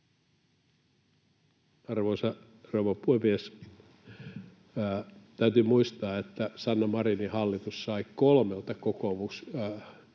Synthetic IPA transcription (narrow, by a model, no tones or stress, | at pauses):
ɑrʋosɑ | rowʋɑpuemies | t̪æyt̪ymuist̪ɑːet̪ːæsɑnːɑmɑrinihɑlːit̪ussɑikolmelt̪ɑkokomuks